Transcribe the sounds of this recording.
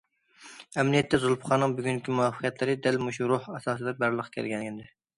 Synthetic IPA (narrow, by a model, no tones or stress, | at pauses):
ɛmnijɛt̪ʰːɛzulˠpʰχɑːnɨŋbyɡʲyŋkʲimuɑfə̥qʰjɛt̪ʰlɪɾɪd̪ɛlmuʃuɾʊhɛsɑːsɨd̪ɛbæɾlˠəqʰkʲʰæ̰ɾɡʲɛnɡʲɛnd̪ɪ